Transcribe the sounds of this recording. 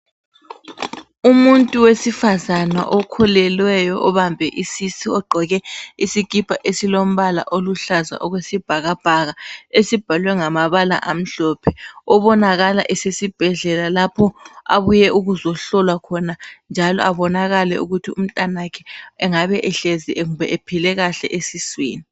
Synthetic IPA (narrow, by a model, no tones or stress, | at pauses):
umuntʼuwesifazana̰ʔɔkʰɔlɛlwɛjɔʔɔβambʱɛʔisisiɔɡ͡ǃʱɔɣɛisikipʰʼaʔesilom̩βala̰ʔoluɬaza̰ʔɔɣwesib̥ʱaɣab̥ʱaɣaesib̥ʱalwɛŋamaβala̰ʔam̩ɬɔːpʰɛɔβɔnaɣala̰ʔɛsesib̥ʱɛɮɛlalapʰɔa̰βujɛʔuɣuzɔɬɔlwakʰɔnand͡ʒʱalɔ̰ʔaβɔnaɣalɛṵɣutʰiṵm̩tʼanakʰɛɛŋaβɛʔɛɬeziʔŋuβɛ̰ʔepʰilɛɣaɬɛʔesisweːni